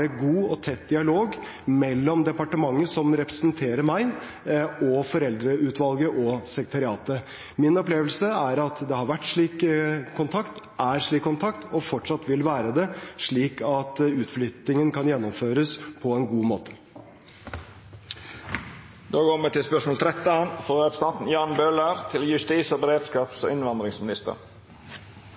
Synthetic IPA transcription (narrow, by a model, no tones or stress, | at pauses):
ɛɡuːɔt̪ʰɛt̪̚ːd̪ɪɑloːɡ | mɛlːɔmd̪ɛpɑʈəmɑŋːəsɔmɾɛpɾəsnt̪ʰeːɾəmæɪ | ɔfɔɾɛld̪ɾəʉːt̪ʋɑlɡəʔɔsɛkɾət̪ʰɑɾɪɑːt̪ə | mɪnɔpleːʋəlsəæɾɑt̪d̪ɛhɑɾʋæʈːʂɭiːkkʰːʊnt̪ʰɑkt̪ | ʔæɾʂɭiːkːʊnt̪ʰɑkt̪ɔfɔʈʂɑt̪ːʋɪlʋæːɾəd̪ɛʂɭiːkʰɑt̪ʉːt̪flʏt̪nɪŋənkʰɑnjɛnːɔmføːɾəspʰɔɛnɡuːmoːt̪ʰə̥ | d̪oːkɔməʈɪlspœʂmoːlt̪ʰɾɛt̪ːnfɔːɾɛpst̪ɑnt̪n̩jɑːɳbøːlæɾt̪ʰɪljʉst̪iːsɔːbəɾeːd̪skɑːpsɔ̰ɪnʋɑnd̪ɾɪŋsmɪnɪst̪ə̰ɾ